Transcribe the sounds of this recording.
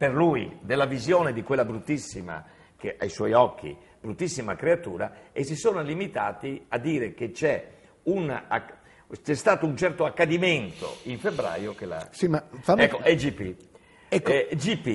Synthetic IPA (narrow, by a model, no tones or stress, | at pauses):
peɾlujd̪elːavizjɔːned̪ikwelːabɾut̪ːisːima̰ | keʔa̰jswɔjɔk̟ːḭ | b̥ɾut̪ːisːimakɾeat̪ṵːɾa̰es̬isoːnalimit̪aːt̪iad̪ːiːɾek̟et͡ʃɛ | una | t͡ʃɛst̪aːt̪ount͡ʃɛrt̪oakːad̪iment̪o̰iɱfebɾa̰ːjokela̰simafaɛkːoɛd͡ʒipːi | ɛkːd͡ʒipːi